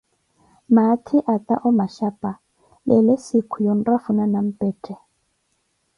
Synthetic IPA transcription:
matʰɪʔat̪ʼa̰ʔʊmaʃapʼa | lɪlɪsikʰʊjon̩rafunanam̩pʼɛːtʼɛ

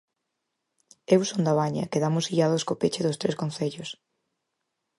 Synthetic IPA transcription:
ewsond̪ɐβaɲɐ̰keðamʊsiʎaðʊskopet͡ʃɪðʊst̪ɾeskõn̟θeʎʊs

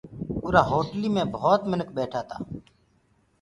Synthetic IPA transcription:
ʊɾaːɦoːʈliːmẽːbɔːt̪mɪnək̚bɛːʈʰaːt̪a̰ː

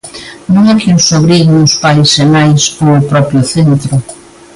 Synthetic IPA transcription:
nõŋakjunsoβɾiɣnʊspajsemajsoŋopɾɔpjʊθent̪ɾʊ

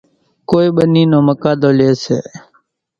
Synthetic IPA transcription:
koːiɓəniːnõːməkaːd̪oːleːsḛː

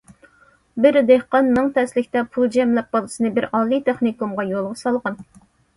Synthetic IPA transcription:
bɪɾd̪ehqɑnːɨŋt̪ʰɛslɪkʲt̪ɛpʰulˠd͡ʒɛmlɛp̚bolˠɨsɨnɨbɪɾɑːlˠːit̪ʰeχnikumʁɑjolˠʁʊsɑlˠʁɑn

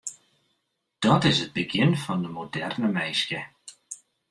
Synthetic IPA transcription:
d̥ɔtɪzət̚b̥əɡɪnfɔndəmodɛrnəmejskə

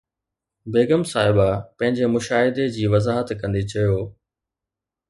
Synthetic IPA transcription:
beːɡəmsaːɦɪbapɐ̃ɦɪ̃ɲd͡ʑemʊʃaːɦɪd̪ed͡ʑiːʋɐzaːɦət̪kɐ̃nd̪it͡ɕɐjoː

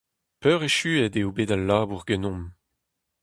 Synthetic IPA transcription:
pœːʁeʃyːɛdeobeːdalːaːbuʁɡɛnɔ̃m

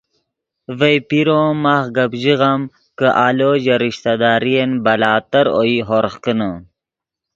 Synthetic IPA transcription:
vejpiɾomaχɡɐbʑiɣam | kəʔaloːʑɐɾiɕt̪ad̪aːɾijenbɐlaːt̪ɐɾo̰iɦoɾχkənə

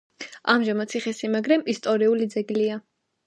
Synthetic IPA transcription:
amʒamat̪sʰiχɛsimaɡɾɛmist̪ʼɔɾiulid̪zɛɡlia

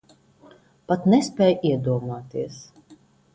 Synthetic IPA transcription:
pat̪nɛspʲɛːjʔiɛd̪uɔmuɔt̪iɛs

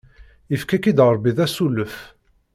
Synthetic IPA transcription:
əfkækid̪ʁəɾˤbiðæsuləf

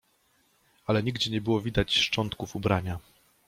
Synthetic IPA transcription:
alɛɲiɡd͡ʑɛɲɛbɘwɔvʲid̪at͡ɕʂt͡ʂɔnt̪kufubɾaɲa

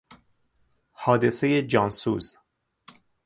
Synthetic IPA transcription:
hɒːd̪e̞se̞jed͡ʒɒːnsuːz

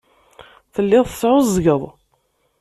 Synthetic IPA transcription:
θəlːɪðˤsʕʊzˤɡəðˤ

